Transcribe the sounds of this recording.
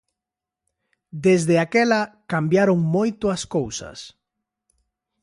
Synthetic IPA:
d̪ezðeakɛlɐkambjaɾoŋmojt̪oaskowsɐ̰s

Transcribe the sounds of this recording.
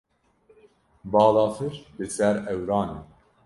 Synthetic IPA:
bɑːlɑːfɨɾbɨsɛɾɛwɾɑːneː

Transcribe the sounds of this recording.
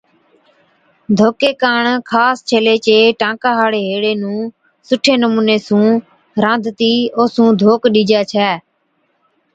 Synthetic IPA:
d̪ʱoːkeːkaːɳkʰaːst͡ʃʰeːleːt͡ʃeːʈãːkaːɦaːɽeːɦeːɽeːnũː | sʊʈʰeːnəmũːneːsũː | ɾãːnd̪ʱt̪iːoːsũːd̪ʱoːkɗiːd͡ʒaːt͡ʃʰɛː

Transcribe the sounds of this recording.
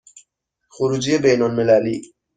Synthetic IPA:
xoɾuːd͡ʒijebejnolmelæliː

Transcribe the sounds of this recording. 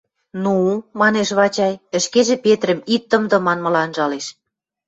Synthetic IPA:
numɑneʃβɑt͡ɕɑjə̆ʃkeʒĕpet̪ɾə̆mit̪ːə̆md̪ɤ̆mɑnmɤ̆lɑnʒɑleʃ

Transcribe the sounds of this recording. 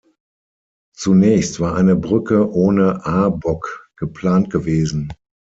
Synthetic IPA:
t͡sunɛːçstv̥aːɐaɪnəbʁʏkəʔoːnəʔaɐbɔkɡ̥əpl̥aːntɡ̥əveːzn̩

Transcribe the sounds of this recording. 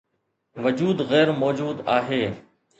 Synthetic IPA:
ʋəd͡ʒuːd̪ɣɛːɾmɔːd͡ʒuːd̪aːɦeː

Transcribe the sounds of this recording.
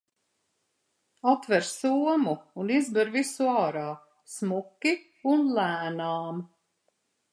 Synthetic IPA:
ɔt̪vɛɾsuɔmuːnizbɛɾvisuɑːɾaː | smukːi | unlæːnaːm

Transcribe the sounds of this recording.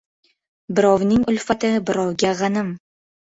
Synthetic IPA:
bɪɾɒwnɪŋʊlfat̪ɪbɪɾɒwɡʲaʁɑnɪm

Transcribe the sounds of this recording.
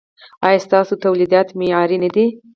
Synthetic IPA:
ɑjɑst̪ɑsot̪awlid̪ɑt̪mejɑɾinəd̪i

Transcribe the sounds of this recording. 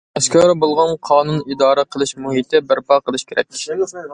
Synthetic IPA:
ɛskʲɑɾbolˠʁɑnqʰɑːnunid̪ɑːɾɛqʰəlˠɨʃmuhit̪ʰɪbæɾpɑqʰəlˠɨʃkʲʰeɾɛ̰kʲ

